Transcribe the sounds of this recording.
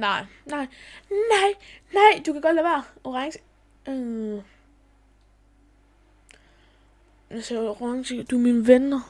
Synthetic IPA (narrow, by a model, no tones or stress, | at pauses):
nɑ̈ɪ̰nɑɪnɑɪ̰nɑ̈ɪ̰d̥ukʰæɡɒd̥læʋeɐɔʁaŋs | sɔʁɑŋsid̥uminəʋenɐ